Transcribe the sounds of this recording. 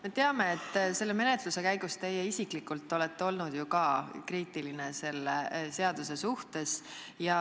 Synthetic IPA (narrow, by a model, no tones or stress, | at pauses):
me̞t̪eɑme̞ːt̪ˑːse̞lːeme̞ne̞t̪luse̞kæjɡ̥ust̪e̞jeisiklikːult̪ːˑo̞let̪ːeo̞lnud̪̥jukɑkriːt̪ːˑiline̞se̞lːese̞ɑd̪use̞suht̪e̞s | jɑ